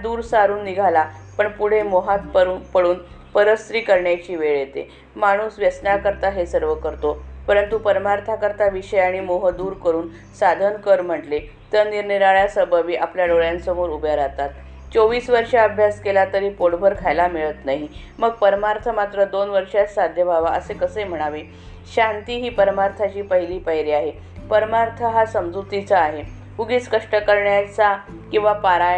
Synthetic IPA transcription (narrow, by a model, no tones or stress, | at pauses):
d̪uːɾsaɾuːnːiɡʱala | pəɳpuɽ̤emoɦat̪pəpəɽuːnpəɾəst̪ɾiːkəɾɳjat͡ɕiːʋeɭet̪ḛ | maɽ̃uːsʋjəsnakəɾt̪aɦesəɾʋəkəɾt̪opəɾənt̪upəɾmaɾt̪ʰakəɾt̪aʋiɕəjaɽ̃imoɦəd̪uːɾkəɾuːn | sad̪ʱənkəɾm̤əʈle | t̪jəniɾniɾaɭjasəbəʋiːʔapljaɖoɭjãnsəmoɾubʱjəɾat̪at̪ | t͡soʋiːsʋəɾʂaəbʱjaskelat̪əɾipoɽbʱəɾkʰajlamiɭət̪naɦi | məɡ̚pəɾmaɾt̪ʰəmat̪ɾəd̪onʋəɾʂjasad̪ʱjəbʱaʋaəsekəsəjm̤əɽ̃aʋe | ɕant̪iɦiːpəɾmaɾt̪ʰat͡ɕiːpəɦiliːpəɦjɾiaɦe | pəɾmaɾt̪ʰəɦasəmd͡zut̪it͡saːɦe | uɡiːt͡skəʂʈəkəɾɳjat͡sa | kĩw̃ʋapaɾaj